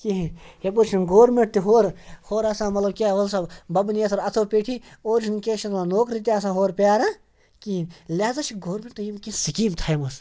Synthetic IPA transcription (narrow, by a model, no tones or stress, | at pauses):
kiɦihebut͡ʃʰinɡoːɾmeʈ̚t̪iɦoːɾhoːɾɐsãːmɐt̪lɐb̚kʲaːʋɐlsabɐbnijɐsɐɾɐt̪ʰoːpeːʈʰioːɾd͡ʒʱinkeːʃʰit̪anoːkɾit̪ʲːɐs̬ãːɦoːɾpʲaːɾa | kiinlʲaːzɐt͡ʃʰiɡoːɾmʲeʈt̪ujimkisikiːmt̪ʰaimɐs